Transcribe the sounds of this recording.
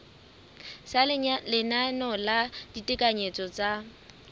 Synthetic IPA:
salɪnanɔlad̥itʼɪkʼaɲet͡sʼɔt͡sʼa

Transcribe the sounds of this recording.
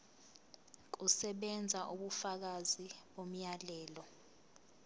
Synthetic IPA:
k̬usɛɓɛnd͡zʱaʔuɓufak̬aziɓom̩jalɛːlɔ

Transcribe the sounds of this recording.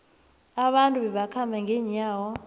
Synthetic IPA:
aɓantʼuɓɛɓakʰambʱaŋʱɛːɲaːwɔ

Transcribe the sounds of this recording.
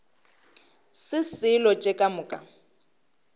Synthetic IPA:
sɪsɪlɔt͡ʃʼɛkʼamʊːkʼa

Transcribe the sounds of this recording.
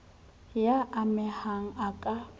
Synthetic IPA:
jaʔːmɪhaŋ̩akʼa

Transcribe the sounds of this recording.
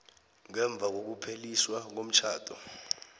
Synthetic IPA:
ŋɛɱb̪vʱak̬ok̬upʰeliswaŋom̩t͡ʃʰaːtʰɔ

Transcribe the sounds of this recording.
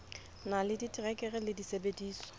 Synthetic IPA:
nalɪditʼirɛkʼɛɣɛlɪdisebediːsɔ̥

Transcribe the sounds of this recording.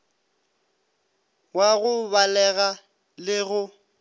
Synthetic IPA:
waɣʊβalɛɣa | lɪɣʊ

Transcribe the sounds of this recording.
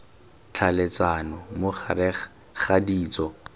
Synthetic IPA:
t͡ɬʰalet͡sanɔmʊχaɾɪ | χadiːt͡sɔ

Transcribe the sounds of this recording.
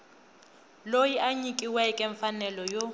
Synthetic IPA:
lojiʔaɲikʼiwɛkʼɛɱfanɛlɔjo

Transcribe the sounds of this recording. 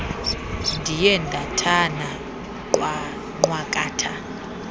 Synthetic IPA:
ndʱijɛndʱatʰana | kʼwa | ŋ͡ǃwakʼaːtʰa

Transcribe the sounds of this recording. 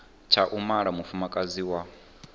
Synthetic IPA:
t͡ʃʰaʔumaɺamufumakʼaziwa

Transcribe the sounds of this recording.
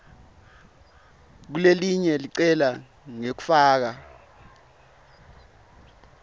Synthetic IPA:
k̬uleliɲɛliǀɛla | ŋek̬u̥faːk̬a

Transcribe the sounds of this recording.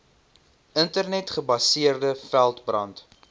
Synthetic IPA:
əntərnɛtχəbɐsiərdəfælˠtbrɐnt

